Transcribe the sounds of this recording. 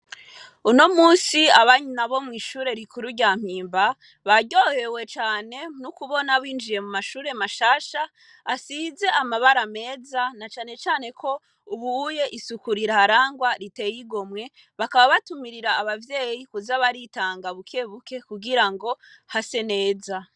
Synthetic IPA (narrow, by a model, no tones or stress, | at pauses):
uno̞muːsiaβaɲnaβo̞mŋiːʃuːɾe̞ɾikʰuɾuɟaːm̥iːmba | βaɟo̞he̞we̞t͡ʃaːne̞nukuβo̞naβiːnd͡ʒije̞mumaʃuːɾe̞maʃaːʃaː | size̞amaβaɾame̞ːzanat͡ʃaːne̞t͡ʃaːne̞kʰo̞ | uβuje̞ʔisukuɾiɾahaɾaːŋɡwaɾite̞jiɡomŋe̞ | βakaβaβatumiɾiɾaːβavje̞ːjikuzaβaɾitaːŋɡaβukʰe̞ːβuke̞kuɡiɾaŋɡo̞hase̞ne̞ːza